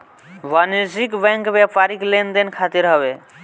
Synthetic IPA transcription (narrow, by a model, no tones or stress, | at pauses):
ʋaniɾd͡ʒikbɛ̃ŋkbapaɾiklend̪enkʰat̪iɾɦɔbe